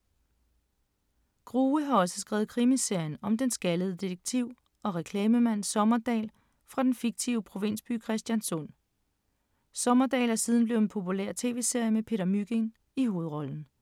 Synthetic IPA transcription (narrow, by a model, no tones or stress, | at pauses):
ɡ̥ʁuːəɦɑ̈ɒ̽sə̥sɡ̥ʁɛ̰ːʊð̩ˠkʰʁimise̝ɐ̰jənɒ̽md̥ensɡ̥æləð̞̩ˠd̥ieɡ̥̚t͡sʰiʊ̰ | ɒ̽ʁɛkʰlɛːməmæn̰sɒ̽mɐd̥ɛ̰ːl | fʁɑ̈d̥enfiɡ̥̚t͡sʰiʊəpʰʁo̝ʋe̝n̰sb̥y̰ːkʰʁɛsd̥jænsɔ̽n̰ | sɒ̽mɐd̥ɛ̰ːlæsið̞ˠn̩b̥le̝ʊenpʰo̝pʰulḛɐ̰t͡sʰe̝̰ːʋe̝ːse̝ɐ̰jəmepʰe̝ːd̥ɐmyɡ̥eŋ | iho̝ːð̞̩ˠʁɒ̽ln̩